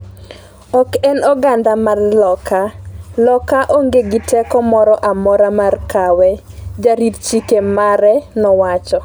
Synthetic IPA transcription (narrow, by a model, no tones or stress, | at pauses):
ɔkɛnɔɡandamarlɔkalɔkaʔoŋɡeɡɪtɛkɔmɔɾɔʔamɔɾamarkawɛ | d͡ʒaɾitt͡ʃikemaɾɛnɔwat͡ʃɔ